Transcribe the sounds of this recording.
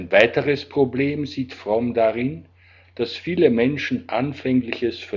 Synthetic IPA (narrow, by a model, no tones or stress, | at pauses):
nvaɪtəʁəspʁ̥obleːmziːtfʁ̥ɔmdaʁɪn | d̥asfiːləmɛnʃn̩ʔanfɛŋlɪçəsfyːɐ